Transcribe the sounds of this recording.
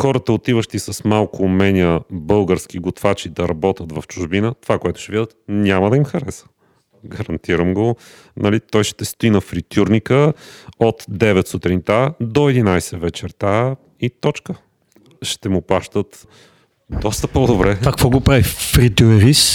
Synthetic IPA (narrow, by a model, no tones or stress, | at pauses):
xɔɾət̪əot̪ivəʃt̪isɐsmalˠkʊmɛnʲiəbɤlˠɡəɾsk̟iɡʊt̪vat͡ʃid̪ɐɾɐbɔt̪ət̪vɐft͡ʃʊʒbinət̪ovakoɛt̪ʊ̥ʃt̪ɛvid̪ət̪nʲaməd̪ɐimxɐɾɛsə̥ | ɡɐɾɐnt̪iɾəmɡo | nɐlit̪ɔjʃt̪ɛst̪ʊinɐfɾit̪ʲʰuɾnʲikəot̪d̪ɛvɛt̪sut̪ɾint̪ad̪oɛd̪inajsɛvɛt͡ʃɛɾt̪a | it̪ɔt͡ʃkə | ʃt̪ɛmʊplˠaʃt̪ət̪ | d̪ɔst̪əpod̪obɾɛkakvɔɡopɾavifɾit̪ʲuɾis